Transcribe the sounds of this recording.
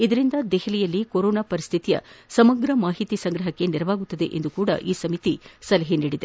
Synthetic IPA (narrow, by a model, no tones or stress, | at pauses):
id̪ɐɾind̪ɐd̪ɛɦɐlijɐlːikoɾoːnapɐɾist̪ʰit̪ijɐ̰sɐmɐɡɾɐmaːɦit̪isɐŋɡɾɐɦɐkːe̞niɾɐʋaːɡut̪ːɐd̪e̞̰ʔend̪ukuːɽɐ̰ʔiːsɐmit̪isɐlɐɦiniːɽid̪e̞̰